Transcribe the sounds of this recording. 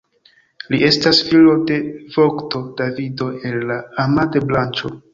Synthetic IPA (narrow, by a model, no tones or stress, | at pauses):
lie̞stasfilo̞de̞v̥o̞kto̞davido̞e̞nːaːmade̞blant͡ʃo̞